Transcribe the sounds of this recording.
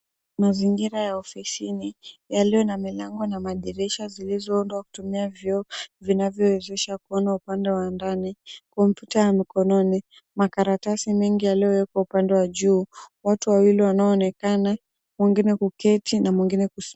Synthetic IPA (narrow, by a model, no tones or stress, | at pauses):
maziŋɡiɾajaɔfisinijaliɔnamilaŋɡɔnamaɗɛɾɛʃazilizɔɔndwaku̥tumiavjɔːvinavjɔwɛzɛʃakuɔnaupandɛwandanikɔmpjutajamikɔnɔni | makaɾatasimɛŋɡijaliɔwɛkwaupandɛwaʄuːwatuwawiliwanaɔːnɛkana | mwiŋɡinɛkukɛtinamwiŋɡinɛkus